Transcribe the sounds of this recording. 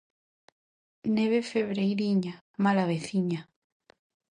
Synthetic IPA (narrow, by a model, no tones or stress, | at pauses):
neβefeβɾejɾiɲa | malaβeθiɲa